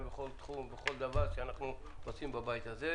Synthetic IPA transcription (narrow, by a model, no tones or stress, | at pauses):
beχo̞lt̪χumbeχo̞ld̪avaʁʃeanaχnu | ot͡simbabajt̪aze